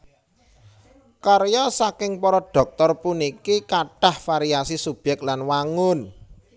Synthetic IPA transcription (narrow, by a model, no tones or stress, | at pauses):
kaɾjɔsakɪŋpɔɾɔɖ̥ɔ̤k̚t̪ɔrpunikikaɖ̥a̤hfaɾiasisub̥jɛk̚t̪lanwaŋʊn